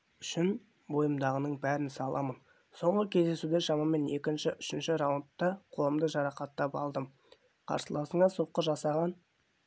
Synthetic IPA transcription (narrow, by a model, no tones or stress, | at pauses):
ʏʃɪn | bo̞jəmd̪ɑʁənəɴbæɾɪnsɑlˠʔɑmən | so̞ɴʁəkʲʰe̞zd̪e̞sud̪eʃɑmɑme̞ne̞kʲɪnʃɪʔʏʃɪnʃɪɾawənt̪ːɑqʰolˠəmd̪əʒɑɾɑqɑt̪ːɑpɑ̰lˠd̪əm | qʰɑ̰ɾsəlˠɑsəɴɑsoqːəʒɑsɑʁɑn